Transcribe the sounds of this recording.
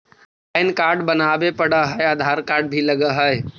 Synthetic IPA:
aɪnkaːɾɖbənaːbepəɽaɦəeaːd̪ʱaːɾkaːɾɖbʱilɐɡəɦəe

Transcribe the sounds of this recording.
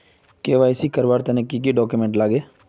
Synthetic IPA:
keːʋaːɪsiːkəɾʋaːɾt̪eːnẽːkiːk̬iːɖɔːkumẽːɳʈlaːɡeː

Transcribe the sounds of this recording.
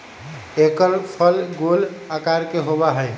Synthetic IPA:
ekəɾpʰəlɡolakaɾkeɦobaɦəj

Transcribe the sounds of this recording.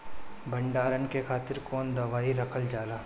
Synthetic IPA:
bɐɳɖaːɾənkekʰaːt̪ɪɾkoːnd̪ɐʋaːiɾɐkʰəld͡ʒaːlaː

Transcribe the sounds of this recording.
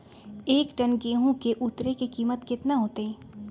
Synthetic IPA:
eːkʈənɡeːɦõkeʔut̪ɾekikiːmət̪kɪt̪naɦoːt̪eɦɛ̃ː

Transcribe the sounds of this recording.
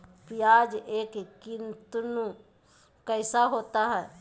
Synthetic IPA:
pɪjaːd͡ʒeːkkːɪnt̪nũ | kəɪsaɦoːt̪aɦɛː

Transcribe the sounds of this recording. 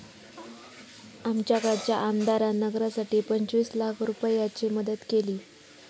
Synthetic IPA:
amt͡ɕjakaɾt͡ɕjaʔamd̪aɾanəɡɾasaʈiːpəɲt͡ɕʋiːslakʰɾupəjat͡ɕiːməd̪ət̪keliː

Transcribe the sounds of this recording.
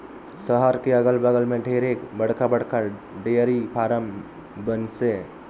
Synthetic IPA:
səɦəɾkeəɡəlbəɡəlmeɖʱeɾekbəɽkabəɽka | ɖeəɾipʰaɾəm | bənse

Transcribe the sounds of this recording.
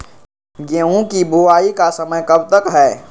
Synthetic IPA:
ɡeːũkibʱuaːikasɐməjkɐbt̪əkɦɛː

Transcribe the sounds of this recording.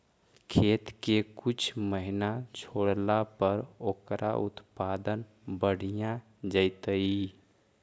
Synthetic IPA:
kʰet̪kekut͡ʃʰməɦinat͡ʃʰoɽlapəɾokɾʔa̰ʔṵt̪pad̪ən | bəɽ̤ijã | d͡ʒəɪt̪əi

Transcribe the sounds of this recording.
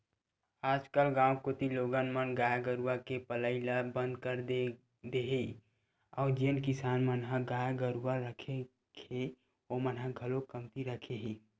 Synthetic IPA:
aːd͡ʒkəlɡãːwkot̪iloːɡanmənɡaːjaɡəɾuwakepələɪlabə̃nd̪kəɾd̪e | d̪eɦi | ɔːɾd͡ʒeənkɪsaːnmənɦaɡaːjɡəɾuwaɾəkʰe | e | omənɦaɡʱəlokəmt̪iɾəkʰeɦiː

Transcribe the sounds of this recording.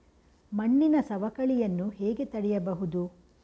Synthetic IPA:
mɐɳːinɐsɐʋɐkɐɭijɐnːuɦeːɡe̞t̪ɐɽɛjɐbɐɦud̪u

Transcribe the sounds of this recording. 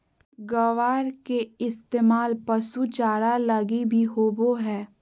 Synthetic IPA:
ɡɐʋaːɾkeɪst̪eːmaːlpɐsut͡ʃaːɾalɐɡibʱiɦoːboɦɛː

